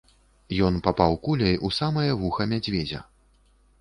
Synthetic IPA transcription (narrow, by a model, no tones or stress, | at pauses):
jɔnpapawkulʲɐjʔusamɐjɐvuxɐmʲad͡zʲvʲɛd͡zʲɐ̰